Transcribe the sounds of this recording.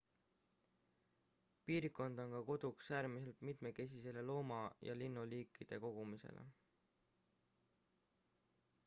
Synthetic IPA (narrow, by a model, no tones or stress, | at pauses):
piːɾikːˑo̞nd̪̥o̞nkɑko̞d̪̥uksæːɾmise̞lt̪mit̪me̞ke̞s̬ise̞le̞lo̞ːmɑjɑ̰linːuliːkˑːid̪̥e̞ko̞ɡ̥umise̞̰lḛ